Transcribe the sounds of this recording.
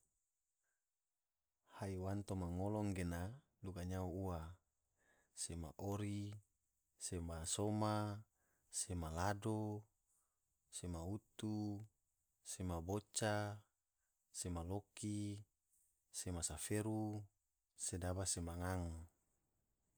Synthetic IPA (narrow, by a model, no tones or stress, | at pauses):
haiwant̪omaŋolɔŋɡena | dukaɲauua | sema̰ʔoɾi | semasoma | semalado | semaut̪u | semabot͡ʃa | semaloki | semasafeɾu | sedabasemaŋaŋ